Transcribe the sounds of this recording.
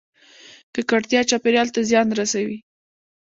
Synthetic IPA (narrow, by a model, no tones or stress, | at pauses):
kəkaɽt̪jɑt͡ʃɑpeɾjɑlt̪azjɑnɾasawi